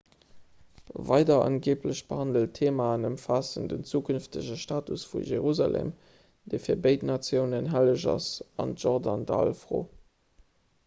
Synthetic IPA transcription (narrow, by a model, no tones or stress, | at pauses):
vɑɪdɐɑnɡeːpləɕb̥əhɑndəltʰeːmanəmfaːsəndənt͡suːkʰynftəʑəʃtaːtusfṵʒeʁuza̰lʔḛːm | d̥eːfiːɐbəɪtnɑt͡sjəʊnənɦæləʑɑ̰sɑ̰ntʒɔʁdɑndɑɑ̰lfʁo̰ː